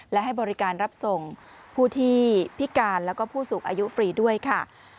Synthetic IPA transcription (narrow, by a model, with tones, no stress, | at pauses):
lɛ˦˥ɦa˥˩jbɔː˧ɾi˦˥kaː˧nɾa˦˥p̚so˨˩ŋ | pʰuː˥˩t̪ʰiː˥˩pʰi˦˥kaː˧nlɛː˦˥wkɔː˥˩pʰuː˥˩suː˨˩ŋʔaː˧ju˦˥fɾiː˨˩du˥˩əjkʰa˥˩